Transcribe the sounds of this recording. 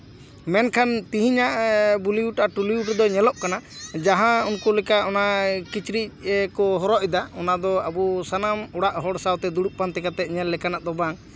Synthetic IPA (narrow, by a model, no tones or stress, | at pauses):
mɛnkʰant̪iɦiɲaʔbuliuʈʔaʈuliuʈd̪ɔɲɛlɔʔkanad͡ʒaɦãunkulɛkaʔɔnakit͡ʃɾic̚kɔɦɔɾɔʔɛd̪aɔnad̪ɔabusanamɔɽaʔɦɔɽsawt̪ɛd̪uɽuʔ̚pant̪ɛkat̪ɛʔ̪̚ɲɛlːɛkanaʔd̪ɔbaŋ